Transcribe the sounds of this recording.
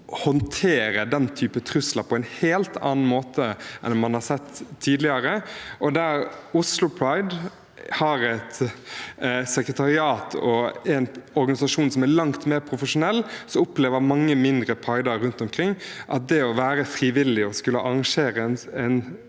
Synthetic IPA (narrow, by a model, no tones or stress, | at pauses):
hɔnt̪ʰeːɾəd̪ɛnt̪ʰyːpət̪ʰɾʉslɑɾpʰɔɛɪnheːlt̪ʰɑ̰ːn̩moːt̪ʰəʔɛ̰nmɑnhɑɾsɛt̪ʰːiːd̪lɪəɾəʔɔd̪æːɾʊslʊpʰɹɑɪd̪ | hɑɾɛt̪ | sɛkɾət̪ʰɑɾɪɑːt̪ʰɔɛnɔɾɡɑnɪsɑʂuːnsɔmælɑŋt̪meːɾpʰɾʊfəʂʊnɛlːsɔʊpleːʋəɾmɑŋːəmɪnd̪ɾəpʰɾɑɪd̪əɾɾʉnt̪ɔmkʰɾɪŋːʔɑ̰t̪̚d̪ɛɔʋæːɾəfɾiːʋɪlːɪɔskʉlːəʔɑɾɑŋʂeːɾənɛn